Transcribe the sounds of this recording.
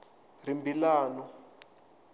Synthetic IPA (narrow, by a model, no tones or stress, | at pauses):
rimbilaːnɔ